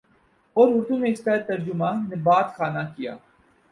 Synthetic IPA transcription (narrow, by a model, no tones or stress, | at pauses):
oːɾʊɾt̪ʰũːmẽɪst̪aːt̪ɐɾd͡ʒʊmaːnːebaːt̪xaːnakija̰ː